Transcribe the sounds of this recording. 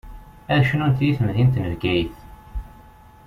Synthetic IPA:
æðʃnunt̪jiθəmðint̪nəvɡæjθ

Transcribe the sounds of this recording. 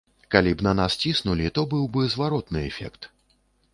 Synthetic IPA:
kalʲibnɐnast͡sʲisnulʲit̪ɔbɨwbɨzvaɾɔt̪nɨɛfʲɛ̰kt̪

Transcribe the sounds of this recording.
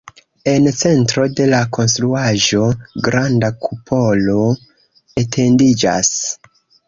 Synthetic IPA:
e̞nt͡se̞ntɾo̞de̞lakʰo̞nstɾuaʒo̞ɡɾandakʰupʰo̞lo̞ | etʰe̞ndid͡ʒa̰s

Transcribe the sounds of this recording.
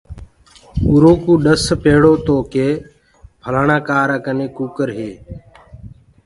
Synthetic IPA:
uɾoːkuːɗəspeːɽoːt̪oːkeː | bʱəlaːɳãːkaːɾaːkəneːkuːkəɾɦeː

